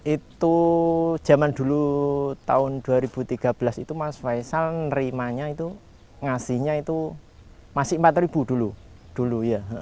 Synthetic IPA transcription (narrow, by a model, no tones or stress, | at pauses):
ʔit̪ud̥ʒ̥a̤mand̪̥ṳlut̪aʊnd̪̥uaɾib̥ṳt̪iɡ̥a̤b̥əlasit̪umaswaisalnɾimaɲait̪u | ŋasɪhɲait̪u | masɪmpat̪ɾib̥ud̥̪ulu | d̪̥uluja